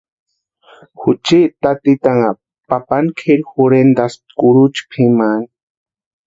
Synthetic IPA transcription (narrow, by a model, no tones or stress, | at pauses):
xut͡ʃit̪at̪it̪aŋa | papankʰeɾxuɾend̪as | kuɾut͡ʃpʰiman